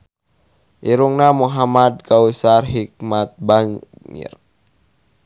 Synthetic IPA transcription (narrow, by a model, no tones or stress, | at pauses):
ʔiɾuŋnamuɦamad̪̚kausarɦik̚mat̪̚baŋ | ḭr